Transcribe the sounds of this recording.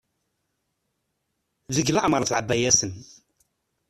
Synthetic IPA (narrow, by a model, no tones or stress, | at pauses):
ðəɡlaʔmɾˤθʕəbːæjæsən